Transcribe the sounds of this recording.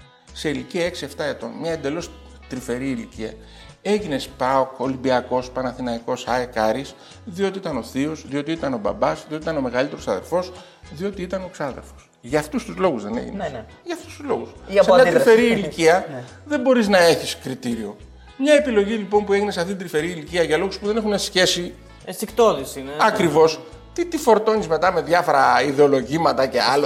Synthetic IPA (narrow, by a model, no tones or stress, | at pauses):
se̞iliciɐe̞ksie̞ft̪ɐe̞t̪o̞̰nmɲɐend̪e̞lo̞s | t̪ɾife̞ɾiːliciɐ̰ | e̞ʝine̞spɐoko̞limbiɐko̞spɐnɐθinɐiko̞sɐekɐɾis | ðio̞t̪iit̪ɐno̞θio̞zðio̞t̪iit̪ɐno̞bɐ̰bɐszðio̞t̪it̪ɐno̞me̞ɣɐlit̪e̞ɾosɐðe̞̰ɾfo̞s | ðio̞t̪iit̪ɐnoeksɐðḛɾfo̞̥s | ʝɐft̪ust̪uzlo̞ɣuzðe̞nḛʝḭn̰ | ʝɐːft̪ust̪uzlo̞ɣussɐɐt̪ɾifeɾiiliciɐ | ðe̞bo̞ɾiznɐe̞çiskɾit̪iɾio̞ | mɲɐe̞pilo̞ʝilipo̞mpueʝineseɐft̪it̪id̪ɾife̞ɾiiliciɐʝɐlo̞ɣuspuðe̞ne̞xunesçe̞si | stikt̪oðisiɐkɾivo̞s | t̪it̪ifo̞ɾt̪o̞nizme̞t̪ɐme̞ðʝɐfo̞ɾɐiðeo̞lo̞ʝimɐt̪ɐce̞̰ɐlo